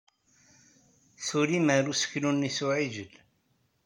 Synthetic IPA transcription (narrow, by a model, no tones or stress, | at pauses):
θuɾimaɾusə̥klunːisuʕiʒəl